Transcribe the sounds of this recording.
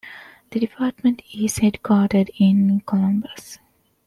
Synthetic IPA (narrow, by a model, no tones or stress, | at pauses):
d̪̥əɖipʰaːɾʈmə̃ɳʈizheɖɡaːɖəɖĩnkʰɔlʌ̃mbəs